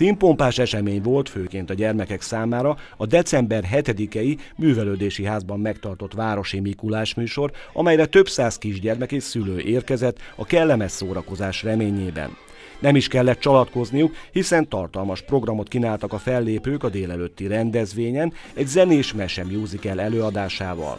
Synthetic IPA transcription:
impo̞mpaːʃɛʃɛmeːɲʋo̞lt̪føːkeːnt̪ɒɟɛrmɛkɛksaːmaːɾɒ | ɒd̪ɛt̪sɛmbɛrɦɛt̪ɛd̪ikɛjimyːvɛløːd̪eːʃiɦaːzbɒmːɛkt̪ɒrt̪o̞t̪ʋaːɾo̞ʃimikulaːʃmyːʃo̞rɒ̰mɛjɾɛt̪ø̞bsaːskiʒɟɛrmɛkeːsyløːʔeːrkɛzɛt̪ːɒkɛlːɛmɛsːoːɾɒko̞zaːʃrɛmeːɲeːbɛ̰nː | ɛmiʃkɛlːɛt̪̚t͡ʃɒlɒt̪ko̞znijukhisɛnt̪ɒrt̪ɒlmɒʃpro̞ɡrɒmo̞t̪̚kinaːlt̪ɒkɒfɛlːeːpøːkɒd̪eːlɛløt̪ːiɾɛnd̪ɛzʋeːɲɛnɛɟzɛneːʃmɛʃɛmjuːzikɛlɛløːɒd̪aːʃaːvɒ̰l

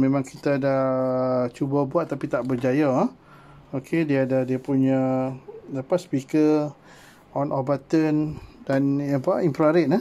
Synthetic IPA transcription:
mẽmãŋkit̪adaht͡ʃubabuat̪ːapit̪aʔbərd͡ʒaja | okʰediaːdahdiəpuɲa | dapat̪spikə | ɔnʔɔbat̪əndanjapaimpɾaɾɪʔ̪̚nə

